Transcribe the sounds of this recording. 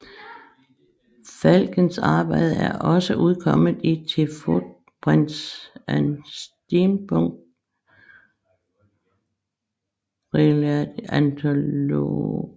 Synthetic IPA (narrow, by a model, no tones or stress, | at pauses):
fælɡ̥ən̩sɑ̈ːb̥ɑ̈ɪ̰ð̩ˠæɐʔɒ̽səʔuð̞ˠkʰɒ̽m̰ð̩ˠit͡sʰe̝fo̥ | b̥ʁand̥sænsd̥inb̥ʰɔŋd̥ | ʁilæ̥ænt͡sʰoo̰